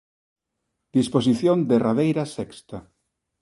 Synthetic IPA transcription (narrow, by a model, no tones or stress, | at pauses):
d̪̥ispos̬iθjond̪eraðejɾasɛkst̪a